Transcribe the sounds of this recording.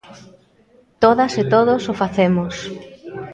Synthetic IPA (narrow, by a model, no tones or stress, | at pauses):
t̪oðɐset̪oðʊsʊfaθemʊs